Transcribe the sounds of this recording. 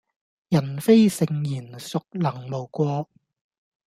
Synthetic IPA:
jɐ˨˩nfe˥jsɪ˨˧ŋjiː˨˩nsʊ˨k̚lɐ˨˩ŋmo˨˩wkʷɔː˧

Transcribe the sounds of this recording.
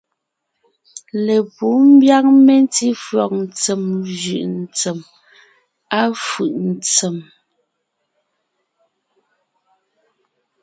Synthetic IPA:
le˨pu˨˦m̩˦bja˦k̚me˦n˦ti˦fɰɔ˨k̚n̩˨t͡sɛ˨mʒʉ˨ʔn˨t͡se˨m | a˦fʉ˨ʔn̩˨t͡se˨m

